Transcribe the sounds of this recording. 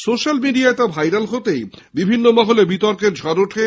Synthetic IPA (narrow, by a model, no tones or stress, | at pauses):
soʃalmiɖiaet̪abʱajɾalɦot̪ej | bibʱinːomɔɦolebit̪ɔɾkeɾd͡ʑʱɔɾoʈʰe